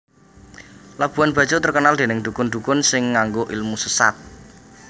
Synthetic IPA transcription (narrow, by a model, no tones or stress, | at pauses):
lab̥ṳanb̥a̤d̥ʒ̥ot̪ərkənald̪e̤nɪŋd̪ṳkʊnd̪ṳkʊnsɪŋːaŋɡoʔilmusəsa̰t̪̚